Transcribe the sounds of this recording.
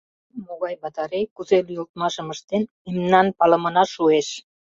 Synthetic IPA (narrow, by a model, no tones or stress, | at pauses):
moɣɑjbɑt̪ɑɾekuzelujolt̪̚mɑʃəməʃt̪en | imnɑnpɑlə̆mə̆nɑʃueʃ